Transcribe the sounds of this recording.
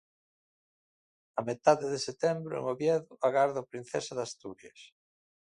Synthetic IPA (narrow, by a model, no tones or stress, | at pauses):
ɐmet̪aðeðeset̪ɛmbɾʊ̰ḛŋoβjɛðʊaɣaɾðʊpɾin̟θɛsɐðast̪uɾjɐs